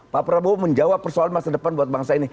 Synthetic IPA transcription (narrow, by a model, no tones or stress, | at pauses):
papəɾaboməɲd͡ʒawapːərsoalanmasadəpanbuat̪̚baŋsaini